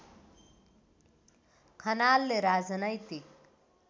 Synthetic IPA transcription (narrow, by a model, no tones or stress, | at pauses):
kʰʌnalːeɾad͡zʌnʌjt̪ik̚